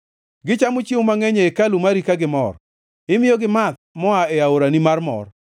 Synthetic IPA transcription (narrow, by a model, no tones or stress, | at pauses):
ɡɪt͡ʃamʊt͡ʃɪwmaŋɛɲeːkalumaɾikaɡɪmɔr | ɪmɪjoɡɪmat̪̚mɔaɛaoɾanimarmɔ̰r